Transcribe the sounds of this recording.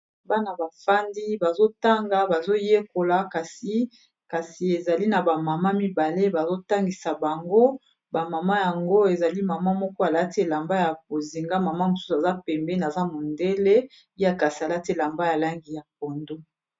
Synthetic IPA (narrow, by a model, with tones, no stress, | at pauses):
ba˦na˨ba˨fa˦ndi˦ba˨zo˦ta˦ŋɡa˦ba˨zo˦je˦ko˨la˨ka˨si˨ | ka˨si˨e˨za˨li˦na˨ba˨ma˨ma˦mi˦ba˨le˦ba˨zo˦ta˦ŋɡi˨sa˨ba˨ŋɡo˦ | ba˨ma˨ma˦ja˨ŋɡo˦e˨za˨li˦ma˨ma˦mɔ˦kɔ˦a˨la˦te˦˨la˨mba˦ja˨bo˨zi˨ŋɡa˦ma˨ma˦mo˨su̥˦su˨a˨za˦pɛ˨mbɛ˦na˨za˦mo˨nde˦le˦ | i˦a˦ka˨si˨a˨la˦te˦˨la˨mba˦ja˨la˦ŋɡi˨ja˨p̚o˨ndo˦